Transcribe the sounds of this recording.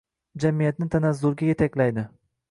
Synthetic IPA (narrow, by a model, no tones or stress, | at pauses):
d͡ʒamijat̪nɪt̪ʰanazːʊɾɡʲajʲet̪ʰakʲlajd̪ɪ